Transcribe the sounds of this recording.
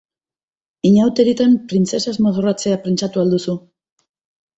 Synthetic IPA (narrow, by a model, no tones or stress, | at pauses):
iɲawt̪eɾit̪ampɾint͡se̞sazmoðorat͡se̞apent͡sat̪uald̪usu